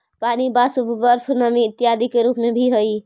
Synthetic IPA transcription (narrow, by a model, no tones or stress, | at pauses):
paːnibasubʱʋəɾpʰnəmiɪt̪ːjad̪ikeɾuːpmebʱiɦəi